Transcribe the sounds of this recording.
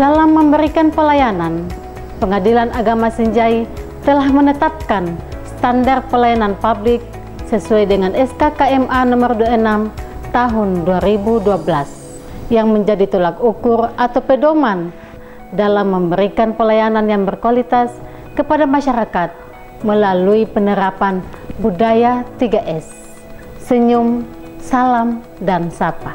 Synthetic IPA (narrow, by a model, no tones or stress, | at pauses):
d̥alamːəmbəɾikanpəlajanan | pəŋadilanaɡamasiɲd͡ʒai | t̪əlahmənət̪ap̚kansə̥t̪andart̪̚pəlajananpablɪk̚ | səsuajdəŋanɛskakaɛmʔanɔmərduaənamt̪aɦʊnduaɾibuduabəlas | jaŋməɲd͡ʒadit̪olakukʊrat̪awpədoman | dalamːəmbəɾikanpəlajananjaŋbərkualit̪as | kəpadamaʃaɾakat̪̚ | məlaluipənəɾapanbudajat̪iɡaʔɛsː | əɲum | salam | dansapa